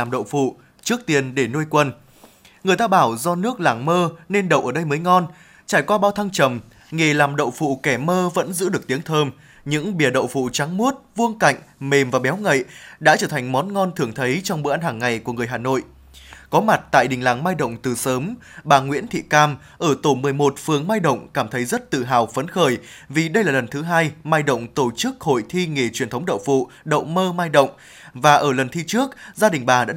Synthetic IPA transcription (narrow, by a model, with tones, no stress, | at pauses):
aː˨˩mɗə̰˧˨wfṵ˧˨ | t͡ɕɨ˦˥ək̚t̪i˧˩ənɗe˧˩no˧jkwə˧n | ŋɨ˨˩əjt̪aː˧ɓaː˧˩wzɔ˧nɨ˦˥ək̚laː˨˩ŋməː˧ne˧nɗə̰˧˨wʔəː˧˩ɗə˧jməː˨˦jŋɔ˧n | t͡ɕaː˧˩jkwaː˧ɓaː˧wt̪ʰa˧ŋt͡ɕə˨˩m | ŋe˨˩laː˨˩mɗə̰˧˨wfṵ˧˨kɛ˧˩məː˧və̰˧˥nzɨ̰˧˥ɗɨ˨˩ək̚t̪i˨˦əŋt̪ʰəː˧m | ɲɨ̰˧˥ŋɓi˨˧˩əɗə̰˧˨wfṵ˧˨t͡ɕa˨˦ŋmu˦˥t̚vu˧əŋka̰˧˨jŋ̟me˨˩mvaː˨˩ɓɛ˨˦wŋə̰˧˨ɗa̰ː˧˥t͡ɕəː˧˩t̪ʰa˨˩jŋ̟mɔ˨˦nŋɔ˧nt̪ʰɨ˨˩əŋt̪ʰə˨˦jt͡ɕɔ˧wŋ͡mɓo̰˧˨˦ʔa˧nhaː˨˩ŋːa˨˩jku˧˩əŋɨ˨˩əjɦaː˨˩no̰˧˨j | kɔ˨˦ma˨˩t̚t̪a̰ː˧˨jɗï˨˩ŋ̟laː˨˩ŋmaː˧jɗə̰˧˨wŋ͡mt̪ɨ˨˩səː˨˦mɓaː˨˩ŋwḭ˧˥ənt̪ʰḭ˧˨kaː˧m | ʔəː˧˩t̪o˧˩mɨ˨˩əjmo˨˩t̚fɨ˨˩əŋmaː˧jɗə̰˧˨wŋ͡mkaː˧˩mt̪ʰə˨˦jzə˦˥t̚t̪ɨ̰˧˨ɦaː˨˩wfə˨˦nxəː˧˩jvi˨˩ɗə˧jlaː˨˩lə˨˩nt̪ʰɨ˨˦ɦaː˧jmaː˧jɗə̰˧˨wŋ͡mt̪o˧˩t͡ɕɨ˦˥k̚ho̰˧˨jt̪ʰi˧ŋe˨˩t͡ɕwi˨˩ənt̪ʰə˨˦wŋ͡mɗə̰˧˨wfṵ˧˨ | ɗə̰˧˨wŋ͡mməː˧maː˧jɗə̰˧˨wŋ͡m | vaː˨˩ʔəː˧˩lə˨˩nt̪ʰi˧t͡ɕɨ˦˥ək̚zaː˧ɗï˨˩ŋ̟ɓaː˨˩ɗa̰ː˧˥